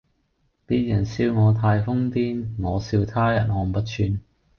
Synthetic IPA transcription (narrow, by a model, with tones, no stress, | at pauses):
piː˥t̚jɐ˨˩nsiː˧wŋɔː˨˧t̪ʰaː˧jfʊ˥ŋt̪iː˥nŋɔː˨˧siː˧wt̪ʰaː˥jɐ˨˩nhɔː˨˧˩m̩˨pɐ˥t̚t͡ʃʰyː˧n